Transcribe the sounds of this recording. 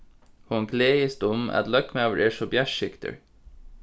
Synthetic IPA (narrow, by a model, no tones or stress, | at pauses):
hʊŋɡleːjəst̪ʊmɛ̰t̪lœkmøːʋəɹʔeːʃɔbjæʃɪkt̪ʰə̰ɹ